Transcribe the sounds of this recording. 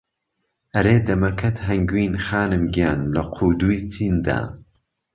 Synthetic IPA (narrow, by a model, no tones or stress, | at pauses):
ʔɐɾeːd̪ɐmɐkʰɐt̪ɦɐŋɡwiːnxaːnɨmɡijaːnlɐqʰuːd̪uːjt͡sʰiːnd̪a̰ː